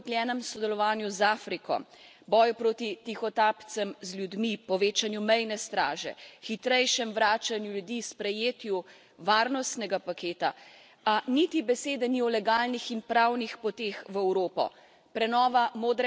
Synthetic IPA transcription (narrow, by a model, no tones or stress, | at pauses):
klʲjɛːnɛmsɔd̪ɛlɔʋaːnjuzaːfɾikɔ̰ | bɔːjupɾoːt̪it̪ixɔt̪aːpt̪sɛmzlʲjud̪mipɔʋeːt͡ʃanjumɛjnɛst̪ɾa̰ːʒɛ̰xit̪ɾɛjʃɛmʋɾaːt͡ʃanjulʲjud̪ispɾɛjeːt̪ju | ʋaːɾnɔst̪nɛɡapakeːt̪a̰ | anit̪ibɛseːd̪ɛniɔlɛɡaːlnixinpɾawnixpɔt̪exʋɛwɾoːpɔ̰ | pɾɛnɔːʋamoːd̪ɾɛ